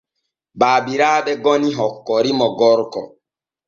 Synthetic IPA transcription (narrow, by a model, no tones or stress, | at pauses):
baːbiɾaːɓɛɡɔniɦɔkːɔɾimɔɡɔɾkɔ̰